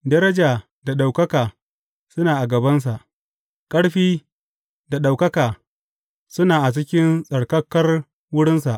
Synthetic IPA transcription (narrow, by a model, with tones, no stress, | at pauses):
dɐ˦ɾɐ˦d͡ʒaː˨ | da˨ɗa˨wkɐ˦kaː˨ | sʊ˦naː˨ʔa˨ɡɐ˨bɐ˦ns̬a˨ʔ | kʼɐ˦ɽɸiː˦ | da˨ɗa˨wkɐ˦kaː˨ | sʊ˦naː˨ʔa˨t͡ʃɪ˦kʲɪ˦nsʼɐ˨ɽkɐ˦kːɐ˦r | wʊ˦ɽɪ˦nsa˨ʔ